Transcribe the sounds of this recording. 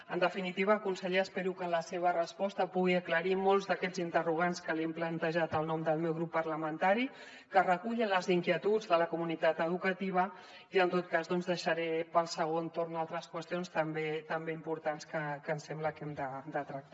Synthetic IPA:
ənd̪əfinit̪iβ̞əːkunsəʎeəspɛɾukələseβ̞ərəspɔst̪əpuɣiəkləɾimɔlˠzðəkɛd͡zint̪əruɣ̞anskəlɛmplənt̪əʒat̪əlˠnɔmd̪əlˠmɛwɣɾupːərləmənt̪aɾi | kərəkuʎinləziŋkjiət̪ud͡zðələkumunit̪at̪əð̞ukət̪iβ̞ə | iənt̪ot̪̚kazðɔnzðəʃəɾɛpəlˠsəɣ̞ont̪oɾnd̪alˠt̪ɾəskwəst̪ionst̪əmbet̪əmbeimpuɾt̪anskəkənsɛmbləkɛmd̪əd̪ət̪ɾək̚t̪a

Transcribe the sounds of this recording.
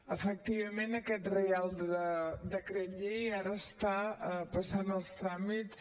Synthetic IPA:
əfək̚t̪iβ̞əmenəkɛt̪realˠd̪əd̪əkɾəʎejaɾəːst̪apəsanəlˠst̪ɾamit͡s

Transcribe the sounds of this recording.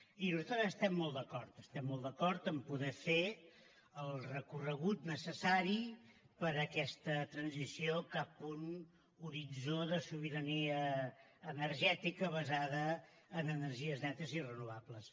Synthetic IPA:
inuzat̪ɾəəst̪ɛmːɔlˠd̪əkɔɾt̪əst̪ɛmːɔlˠd̪əkɔɾt̪əmpuðɛfe | əlˠrəkurəɣut̪nəsəsaɾi | pəɾəkɛst̪ət̪ɾənzisiokapun | uɾid͡zoðəsuβ̞iɾəniəː | nəɾʒɛt̪ikəβəzaðəː | nənəɾʒiəznɛt̪əzirənuβ̞apləs

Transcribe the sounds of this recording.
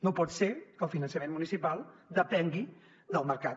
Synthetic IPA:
nopɔt̪sekəlˠfinənsəmenmunisipalˠd̪əpɛŋɡi | d̪əlˠməɾka

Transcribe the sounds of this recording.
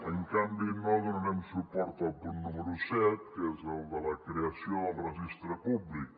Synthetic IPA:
əŋkambinːɔðununɛmusupɔɾt̪alp̪unnuməɾusɛt̪̚kɛzəld̪əlɐkɾeasjod̪rəʒist̪ɾəpublik

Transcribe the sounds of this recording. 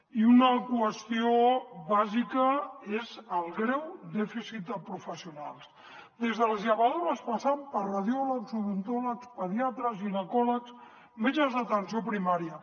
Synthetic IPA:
iunəkwəst̪ioβazikəezəlˠɣɾɛwd̪ɛfisit̪̚əpɾufəsiunalˠs | d̪ezðəlzʎaβaðoɾəspasampəɾraðjɔləkzuβunt̪ɔləkspəðiat̪ɾəzinəkɔləks | med͡ʒəzðət̪ənsiopɾimaɾijə

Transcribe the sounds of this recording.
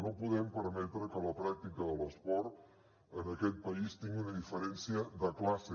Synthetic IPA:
nopuðɛmpəɾmɛt̪ɾəkələpɾak̚t̪ikəðələspɔɾt̪ | ənəkɛt̪̚pəist̪iŋɡiunəðifəɾɛnsiəðəklase

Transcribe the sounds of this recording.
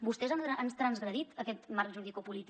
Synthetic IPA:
bust̪ɛzananst̪ɾənzɣɾəðit̪əkɛt̪markʒuðikupulit̪

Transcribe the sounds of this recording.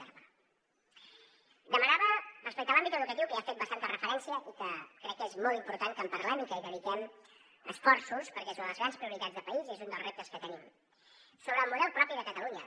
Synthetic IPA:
d̪əmənaβəməsplik̪alambit̪əðukət̪iwkəiafet̪bəst̪ant̪ərəfəɾɛnsiəʔikəkɾɛkːezmɔlˠt̪impuɾt̪aŋkəmpəɾlɛmikəiðəðik̪ɛm | ə̰sfɔɾsuspəɾkɛsunəðləzɣɾanspɾiuɾit̪ad͡zðəpəizezund̪əlˠzrep̚t̪əskət̪ənim | soβɾəːlˠmuðɛlˠpɾɔpiðəkət̪əluɲə

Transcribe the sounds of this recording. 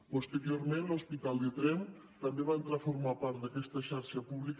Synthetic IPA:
pust̪əɾioɾmẽnlospit̪alˠd̪ət̪ɾɛm | t̪əmbeβaent̪ɾafuɾmapaɾt̪̚d̪əkɛst̪əʃaɾʃəpuβlik

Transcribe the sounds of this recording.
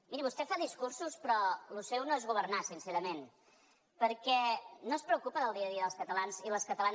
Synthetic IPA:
miɾiβust̪ɛfaðiskursuspɾɔlusɛwnoezɣuβ̞əɾnasinseɾəmen | pəɾkɛnospɾəukupəðəlˠd̪iəðiəðəlˠskət̪əlanziləskət̪əlan

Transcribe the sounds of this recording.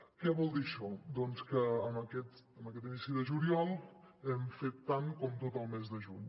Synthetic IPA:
kɛβɔlˠd̪iʃɔd̪ɔnskəːməkɛt̪əməkɛt̪inisiðəʒuliɔlˠɛmfet̪ːaŋkɔmt̪ot̪əlˠmezðəʒuɲ

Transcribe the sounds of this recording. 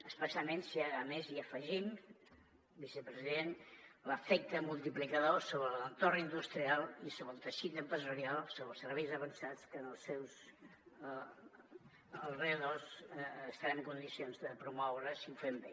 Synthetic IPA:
əspəsjalˠmensiaɣəmeziəfəʒim | bisəpɾəziðenləfɛk̚t̪əmulˠt̪iplikəðosoβɾələnt̪ornind̪ust̪ɾialˠisoβɾəlˠt̪əʃit̪əmpɾəzuɾialˠsoβɾəlˠsəɾβejzəβənsat͡skənəlˠsːɛws | əlˠreəðosːst̪aɾaəŋkund̪isionzðəpɾumɔwɾəsiufembe

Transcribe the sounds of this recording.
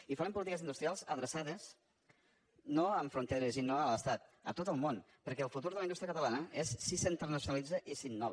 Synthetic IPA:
ifaɾəmp̬ulit̪ikəzind̪ust̪ɾialˠzəðɾəsaðəs | noəɱfɾunt̪eɾəzinoələst̪at̪ə̰t̪ot̪əlˠmon | pəɾkɛəlˠfut̪uɾðələinut̪ɾjəkət̪əlanəesːisəint̪əɾnəsjunalid͡zəʔisinːɔβ

